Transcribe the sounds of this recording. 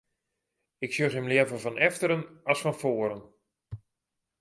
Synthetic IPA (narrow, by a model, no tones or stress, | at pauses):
ɪksjøχəmlɪəvənvɔnʔɛftəɾənasfɔnfoːɾən